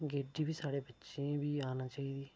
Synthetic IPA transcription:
ɡeːɖiːbiːsaːɽeːbətːʃẽːbiːaːnaːt͡ʃaːiːd̪iː

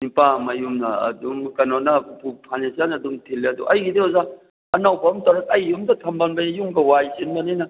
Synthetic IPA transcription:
nipamɐjumnɐɐ̰dumkɐnonɐupʰupʰanensijanːdumtʰilːeɐdṵʔɐjɡideɔza | ɐnawbɐmtɐwɾɐk̚ɐjːumdɐtʰɐmbanbɐjjuŋɡɐwajzinbɐnijnɐ

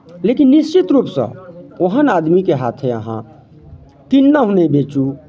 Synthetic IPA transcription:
lekinːist͡ʃit̪ɾuːpsə̰̃oɦənad̪mikeɦat̪ʰeə̰ɦã̰ | t̪inːaɦunebet͡ʃu

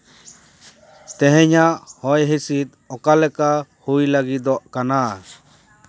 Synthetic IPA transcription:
t̪ɛɦɛ̃ɲaʔhɔjɦisit̪̚ | ɔkalɛkahujlaɡid̪ɔʔkana

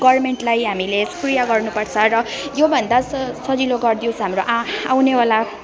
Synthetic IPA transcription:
ɡʌrmeɳʈlajɦamilesprijaɡʌrnupʌrt͡sʰʌrʌjobʱʌnd̪asʌd͡ziloɡʌrd̪iõsɦamroʔawnewala

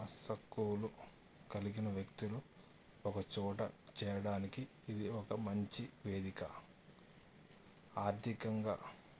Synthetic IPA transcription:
ɐsɐkːuːlu | kɐliɡinɐʋjɐkt̪ulu | ɔkɐt͡ʃɔːʈɐ̰t͡ʃɛːjɐɽaːnikiː | d̪iɔkɐmɐɲt͡ʃiʋeːd̪ikɐ̰ | aːɾd̪ʱikɐŋɡa̰ː

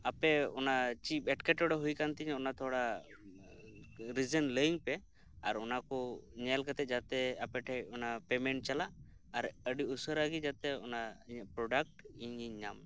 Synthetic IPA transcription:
apɛɔnat͡ʃip̚ɛʈkɛʈɔɽɔɦujkant̪iɲɔnat̪ʰɔɽa | ɾid͡ʒənləiŋpɛ | a̰ɾɔnakɔɲɛlkat̪ɛt̪̚ˀd͡ʒat̪ɛapɛʈʰajɔnapɛmɛɳʈ̚t͡ʃalaʔ | aɾəɖiusəɾaɡid͡ʒat̪ɛɔ̰naiɲəʔpɾɔɖak̚ʈiɲiɲːam

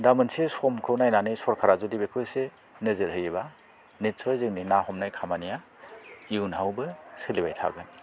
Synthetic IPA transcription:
damɯnsesɔmkʰɯwnajnanɯjsɔɾkʰaɾazudibekʰɯjse | nɯzɯɾɦɯjeβa | nit̚sʰɔjzɯŋninahɔmnajkʰamanija | iwnɦawbɯsɯlibajtʰa̰ɡɯn

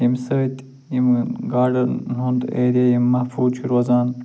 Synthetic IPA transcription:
imsɐt̪ | jimɡaːɾɖɐɾnund̪ḛːɾijɐjimːɐhfuːt͡ʃʰiɾwɐzaːn

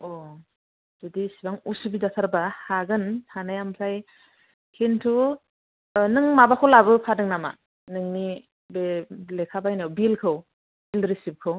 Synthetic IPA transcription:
ɔ | d̥udisibaŋusubid͡ʒatʰaɾbahaɡɯnhʰanajamsʰaj | kʰintʰu | nɯŋmabakʰɯwlabɯpʰadɯŋnama̰ | nɯŋni | belekʰabajnawbilkʰɯw | bilɾisip̚kʰɯw

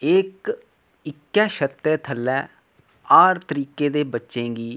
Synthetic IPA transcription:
ɪk | ɪkːɛːʃət̪ːɛːt̪ʰəlːɛː | aːɾt̪əɾiːkeːd̪eːbətːʃẽːɡiː

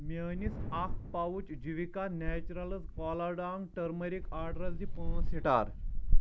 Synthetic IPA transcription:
menisakpaʋut͡ɕd͡ʑiʋikanɛt͡ɕuɾaləskɔlaɾɖaŋɡʈəɾməɾikaɾɖɾat͡sd̪ipə̃siʈa̰ɾ

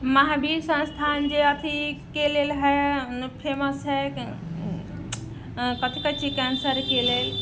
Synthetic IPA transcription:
maɦabiɾsə̃nst̪ʰand͡ʒeət̪ʰikelelɦɛnpʰeməsɦɛ | kət̪ʰikət͡ʃʰikɛnsəɾkelel

